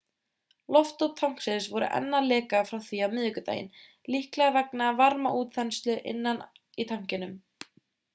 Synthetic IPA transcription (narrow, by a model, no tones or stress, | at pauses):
lɔft̪ɔwt̪ʰawŋ̥ksɪnsvɔɾʏ̰ʔɛ̰nːalɛːkafɾawθiamɪːðʏkʏt̪ḛjɪ̰n | lihklɛɣavɛknɪavaɾmaʔuːt̪θɛnst̪lʏʔɪ̰nːan | it̪ʰawŋ̥cɪnʏm